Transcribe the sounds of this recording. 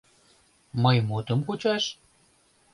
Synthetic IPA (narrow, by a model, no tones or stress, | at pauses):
mɤjmut̪ə̆mkut͡ɕɑʃ